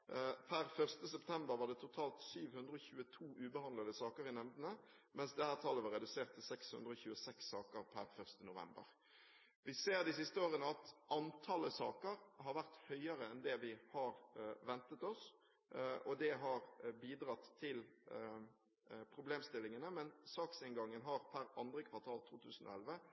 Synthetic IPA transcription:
pʰæɾfœʁst̪əsɛpt̪ʰɛmbəɾʋɑɖ̪ɛt̪ʰʊt̪ʰɑːlt̪syːʋhʉnd̪ɾəɔçʉːət̪ʰuːʔʉːbəhɑnlɑd̪əsɑːkəɾɪnɛmd̪ənə | mɛnsd̪ɛhæːʁt̪ʰɑlːəʋɑʁɛd̪ʉseːʁt̪ʰːɪlsɛkshʉnd̪ɾəɔçʉːəsɛksːɑːkəɾpʰæ̰ɾfœʁst̪ənʊʋɛ̰mbə̰ʁ | ʋɪseːɾd̪ɪsɪst̪əoːʁənəɑt̪ʔɑnt̪ʰɑləsɑːkəɾɦɑɾʋæʁt̪hœʏəɾəɛnd̪ɛʋɪhɑɾʋɛnt̪ət̪ɔs | ʔɔd̪ɛɦɑɾbiːd̪ɾɑt̪ʰːɪl | pʰɾʊbleːmst̪ɪlːɪŋənəmɛnsɑːksɪnɡɑŋːənɦɑɾpʰæɾʔɑnd̪ɾəkʰʋɑʁt̪ʰɑːlt̪ʰuːt̪ʰʉːsən̩o̰ɔ̰ɛlʋə

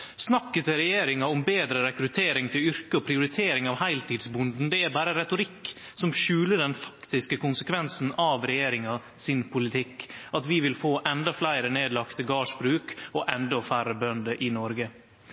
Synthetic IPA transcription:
snɑkːət̪əɾɛjeːɾɪŋɑɔmbeːd̪ɾəɾɛkɾʉt̪ʰeːɾɪŋt̪ʰɪlʏɾkəɔpʰɾɪʊɾɪt̪ʰeːɾɪŋɑʋhæɪlt̪iːd̪sbʊnd̪n̩d̪ɛæɾbæːɾəɾɛt̪ʊɾɪkː | sɔmʃʉːləɖɛnfɑ̥kt̪ɪskəkʊnsəkʰʋɛnsn̩ɑʋɾɛjeːɾɪŋɑ | sɪnpʰʊlɪt̪ʰɪkːɑt̪ʋɪʋɪlfoːʔɛnd̪ɑflæɪɾəneːd̪lɑkt̪əɡɑːʂbɾʉːkɔʔɛnd̪ɔfæɾəbœnd̪əʔɪnɔɾɡə

